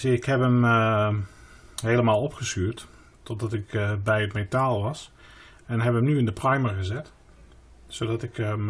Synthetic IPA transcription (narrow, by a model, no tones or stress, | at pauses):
ɪkhɛpəm | ɦeːlˠəmaːlˠɔpxəsyːət | tɔdɔtɪkbɛjətmetaːlˠʋɑs | ɛnɦɛpəmnyɪndəprajməɣəzɛt | sodɔtɪkm